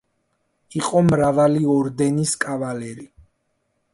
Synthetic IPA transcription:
iqʼɔmɾavaliɔɾd̪ɛniskʼavalɛɾi

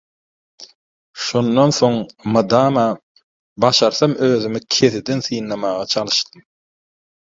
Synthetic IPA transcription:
ʃonːonθo̞ŋmɯd̪ɑːmɑ | bɑʃɑɾθɑmøːðymikʲʰe̞θid̪enθɯjnlˠɑmɑːʁɑt͡ʃʰɑlˠɯʃt̪ɯm

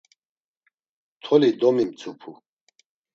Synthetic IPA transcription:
t̪ʰɔlid̪ɔmimt͡sʰupʰu

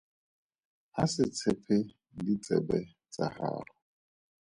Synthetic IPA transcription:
hasɪt͡sʰɪpʰɪ | dit͡sʼɛ̰bɛ | t͡sʼa̰ha̰ːrɔ

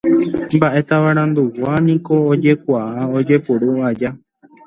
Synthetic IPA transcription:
mbaʔe̞t̪aʋaɾ̃ãnd̪uwanĩko̞ːd͡ʒe̞kʷaaod͡ʒe̞puɾuad͡ʒa

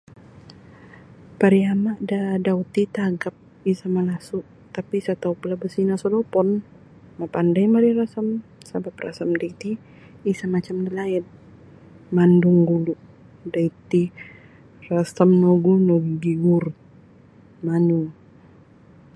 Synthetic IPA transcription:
paɾiamaʔdadaut̪it̪aɡap̚ | isamalasuʔ | t̪apisat̪aupulabəsinasɔlɔpɔn | mapandajmaɾiɾasəmsabap̚ra̰səmdait̪iː | samat͡ʃamdəlaɛt̪̚ | manduŋɡuluʔ | dait̪i | rasəmnɔɡunɔɡuɡiɡur | manuŋ

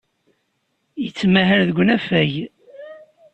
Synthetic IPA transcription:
jət͡sːmæɦəɾðəɡʷːnæfæj

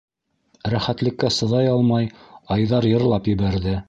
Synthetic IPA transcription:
ɾæχæt̪lɘ̆kːæsɤ̆ðɑjɑlˠmɑjɑjðɑɾjɤ̆ɾlˠɑpjɘ̆βæɾðɘ

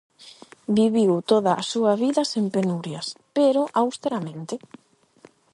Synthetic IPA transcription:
biβiwt̪oðɐʔːsuɐβiðɐsempenuɾjɐspeɾʊʔawst̪eɾamẽnt̪ɪ

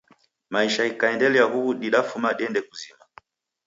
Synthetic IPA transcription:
maiʃaikaɛndɛlɛaɦuuɗiɗafumaɗiɛndɛkuzima

